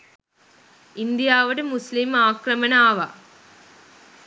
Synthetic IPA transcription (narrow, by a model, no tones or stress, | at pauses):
ɪnd̪ɪjaːʋɐɽɯmʊslɪmaːkɾɐmɐnaːʋaː